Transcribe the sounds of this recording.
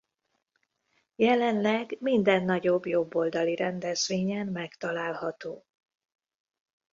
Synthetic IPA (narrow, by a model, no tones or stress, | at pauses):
jɛlɛnlɛɡmind̪ɛnːɒɟo̞bjo̞bːo̞ld̪ɒliɾɛnd̪ɛzʋeːɲɛnmɛkt̪ɒlaːlhɒt̪oː